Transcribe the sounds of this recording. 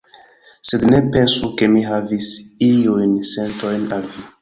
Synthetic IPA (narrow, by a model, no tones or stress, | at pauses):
se̞dne̞pe̞nsuke̞miɦavisiujnse̞nto̞jnalvi